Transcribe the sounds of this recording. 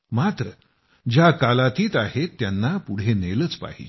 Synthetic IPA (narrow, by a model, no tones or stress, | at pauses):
mat̪ɾə | d͡ʑjakalat̪iːt̪ahet̪ːjanːapuɽ̤enelət͡spa̰ɦḭ